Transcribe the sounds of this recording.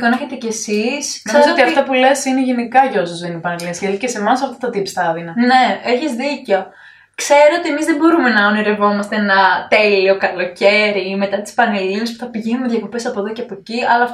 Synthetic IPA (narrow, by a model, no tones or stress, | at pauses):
koneçet̪ece̞sisnkoezot̪iɐft̪ɐpule̞sineʝenikɐʝosozðenipɐnelinɐsjeðicese̞mɐsɐft̪ot̪ɐt̪ist̪ɐðinɐne̞eçizðiceo̞ | kse̞ɾoot̪iemizðebo̞ɾumenɐoniɾe̞vo̞mɐst̪eenɐt̪elio̞kɐlo̞ceɾime̞t̪ɐt̪i̥spɐnelinespu̥θɐpiʝenumeðʝɐko̞pesɐpoðo̞ceɐpo̞ciɐlɐ